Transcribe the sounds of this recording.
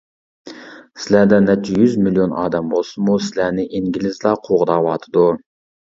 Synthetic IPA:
sɪlæd̪ɛnːɛt͡ʃʰːijyzmilijonʔɑ̰ːd̪ɛmbolˠsɨmusɪlænɪʔiŋɡʲilɪzlˠɑqʰoʁd̪ɑːwɑːt̪ʰɨd̪u

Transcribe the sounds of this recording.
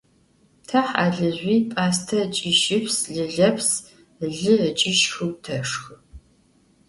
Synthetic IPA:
tʰɐħa̰ːɮɨʑʷiːpʼaːstʰɐt͡ʃʼɪʃɪpʰsɮɨɮɐpʰs | ɮɨət͡ʃʼɪʃxɨwtʰɐʂxɨ

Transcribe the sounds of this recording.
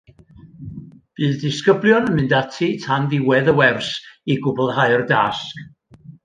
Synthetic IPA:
b̥ɨːðdɪskəblˠjɔnəmɨndatʰitʰanðɪwɛðəwɛrsiɡʊblˠɦaɨrdask

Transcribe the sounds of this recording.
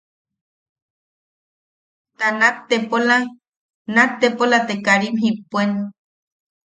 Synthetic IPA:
t̪anat̪ːepola | nat̪ːepolat̪ekaɾimɦipːʷenu

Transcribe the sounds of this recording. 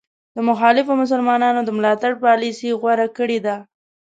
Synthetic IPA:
d̪əmʊxɑlɪfomʊs̬əlmɑnɑnod̪əmlɑt̪aɽpɑlisiɣwaɾakəɽed̪a

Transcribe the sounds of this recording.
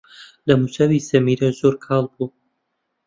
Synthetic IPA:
lɐmut͡ʃɐwisɐmiːɾɐzoːɾkʰɑːlˠbuː

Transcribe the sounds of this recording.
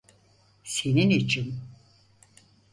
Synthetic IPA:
se̞ninit͡ʃʰin

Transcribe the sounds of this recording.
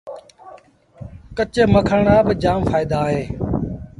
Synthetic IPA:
kət͡ʃeːməkʰəɳaːbɪd͡ʒaːmfaːɪd̪aːɦeː

